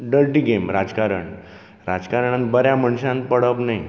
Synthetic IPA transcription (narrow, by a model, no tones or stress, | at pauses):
ɖəlʈiːɡemɾad͡zkaɾə̰ɳ | ɾad͡zkaɾəɳãnbəɾjaməɳɕãnpəɽəpnaj